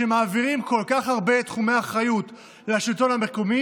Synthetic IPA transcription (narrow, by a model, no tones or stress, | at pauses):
e̞maːviʁimko̞lkaχhaʁbe̞t̪χume̞jaχʁajut̪ | leaʃito̞nhame̞komi